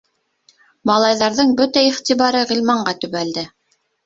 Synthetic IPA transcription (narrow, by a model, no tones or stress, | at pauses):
mɑlˠɑjðɑɾðɤɴbɵt̪æiχt̪iβɑɾɤʁilmɑɴɢɑt̪ɵ̆βæld̪ɘ